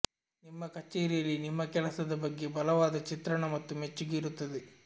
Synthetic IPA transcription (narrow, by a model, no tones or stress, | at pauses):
nimːɐkɐt͡ʃːeːɾijɐlːinimːɐkɛɭɐsɐd̪ɐbɐɡːe̞bɐlɐʋaːd̪ɐt͡ʃit̪ɾɐɳɐmɐt̪ːumet͡ʃːuɡeiɾut̪ːɐd̪e